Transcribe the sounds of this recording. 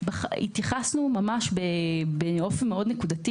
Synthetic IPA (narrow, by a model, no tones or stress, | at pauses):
baχḭt̪jaχasnumamaʃbebeo̞fenme̞o̞dnekudati